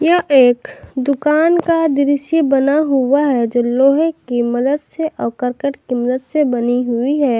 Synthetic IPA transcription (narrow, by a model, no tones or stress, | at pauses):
jɐɦʔeːkd̪ʊkaːnkad̪ɪɾɪsjəbənaɦʊaɦɛd͡ʒoːloːɦekiməd̪əd̪seʔɔːkəɾkəʈkiməd̪əd̪sebəniɦʊiɦɛː